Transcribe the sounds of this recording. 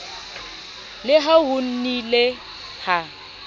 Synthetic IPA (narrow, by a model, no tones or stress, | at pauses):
lɪɦaɦʊn̩nile | ha